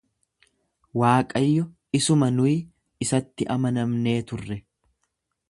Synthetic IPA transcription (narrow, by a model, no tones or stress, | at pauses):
waːkʼɐjːɔ | ɪsʊmɐnʊj | ɪsɐt̪ːɪʔɐmɐnɐmne̞ːt̪ʊrːɛ